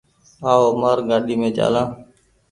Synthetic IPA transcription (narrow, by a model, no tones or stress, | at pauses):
aːoːmaːɾɡaːɗiːmẽːt͡ʃa̰ːlãː